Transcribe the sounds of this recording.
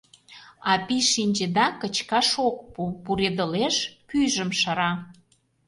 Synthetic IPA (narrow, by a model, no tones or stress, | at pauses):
ɑpiʃinʲd͡ʑĕd̪ɑkə̆t͡ɕkɑʃok̚pupuɾed̪əleʃpyjʒəmʃəɾɑ